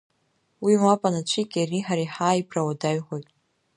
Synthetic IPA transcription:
wimapʼanat͡ʃʷʰikʲʼariħaɾajħaːipʰrawadaɥħʷojtʼ

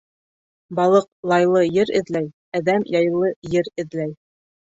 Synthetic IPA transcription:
bɑlˠɤq̚lˠɑjlˠɤjɘɾɘ̆ðlæj | æðæmjɑjɤlˠːɤjɘɾɘ̆ðlæj

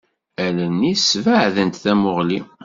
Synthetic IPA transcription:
ælənːisvəʕðənt̪θæmʊʁli

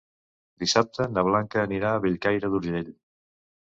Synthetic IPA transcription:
d̪isap̚t̪ənəβ̞laŋkəːniɾaːβeʎkajɾəðuɾʒeʎ

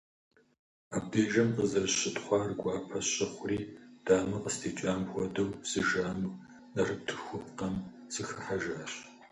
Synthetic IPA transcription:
a̰ːb̚deːʒɐmqəzɐrɕɪtχʷɑːrɡʷɑːpʰɐɕʼɪχʷʊriːd̥aːmɨqʼəstʰiːt͡ʃʼaːmxʷɔdɐwsɨʒaːnuː | nɐrɨp̚tʰɨxʷʊpʰqɐm | sɨxɨħaʒaːɕ

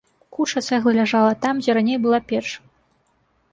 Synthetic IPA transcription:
kut͡ʂɐt̪sɛɣlˠɨlʲaʐalˠɐt̪amd͡zʲɛɾanʲejbɨlˠapʲɛrʂ

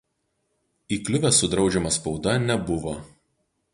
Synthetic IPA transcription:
iːklʲʊʋʲɛsʊd̪ɾɒʊd͡ʒʲɛmɐspɒʊd̪ɐnʲɛbʊʋo

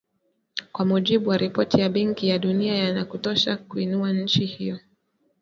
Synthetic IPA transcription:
kwamuʄiɓuwaɾʔipɔtʰijaɓɛŋkijaɗuniajanakutɔʃakuinuaɲ̩t͡ʃihijɔ

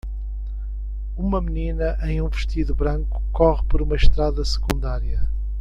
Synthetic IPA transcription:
umɐmɨninɐʔẽj̃ũvɨʃt̪iðuβɾɐ̃ŋku̥kɔʁpɔɾumɐʃt̪ɾaðɐsɨ̥kũnd̪aɾiɐ

